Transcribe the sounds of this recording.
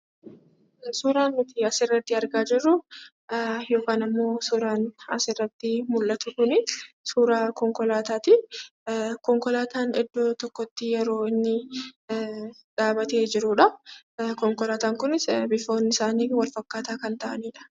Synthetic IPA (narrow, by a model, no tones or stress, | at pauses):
suːɾaːnmɪt̪ɪɐsɪrːɐt̪ːɪɐɾɡaːd͡ʒɪrːʊ | jo̞ːkaːnɪmːo̞ːsuːɾaːnɐsɪrːɐt̪ːɪmʊlːʔɐt̪ʊkʊnɪ | suːɾaːkɔŋkɔlaːt̪aːt̪ɪ | kɔŋkɔlaːt̪ʰaːnɪd̪ːoːt̪ɔkːɔt̪ːɪjɛɾo̞ːɪnːɪ | ᶑaːbɐt̪eːd͡ʒɪɾʊᶑɐkɔŋkɔlaːt̪aːŋkʊnɪsbɪfo̞ːnːɪsaːniːwɐlfɐkːaːt̪aːkɐnt̪ɐʔɐniːᶑɐ̥